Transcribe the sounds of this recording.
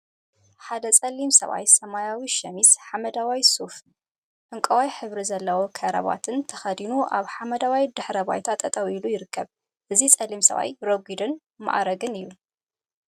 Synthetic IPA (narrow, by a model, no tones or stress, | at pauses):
ħad̪ɐt͡sʼɐlːimsɐ̰βa̰jsɐmajawiʃɐmisħamɐd̪awajsuf | ʔɨŋkʼɐwajħɨβɾizɐlːɐwokʰɐɾɐ̰βa̰t̪ʰɨnt̪ʰɐxɐd̪inuʔaβħamɐd̪awajd̪ɨħɾɐba̰jt̪ʰat̪ʼɐt̪ʼɐwilujɪɾɨkʰːɐβ | ʔɨzit͡sʼɐlimsɐ̰βa̰jɾoɡid̪ɨn | ma̰ʔɾɐɡɨnɨjːu